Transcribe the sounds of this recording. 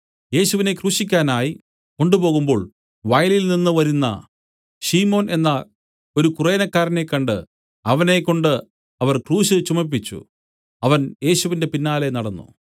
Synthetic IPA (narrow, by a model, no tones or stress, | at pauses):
je̞ːɕuʋine̞kruːɕikʲːaːnaːji | ko̞ɳɖupo̞ːɣumbo̞ːɭ | ʋɐjlilninːɨʋɐɾunːɐ̰ | ɕiːmo̞ːne̞nːɐ | o̞ɾukureːnɐkːaːɾɐne̞kːɐɳɖɨ | ɐʋɐne̞kːo̞ɳɖɨ | ɐʋɐrkruːɕɨt͡ɕumɐp̬ːit͡ɕːṵ | ɐʋɐnje̞ːɕuʋinde̞pinːaːle̞nɐɽɐnːṵ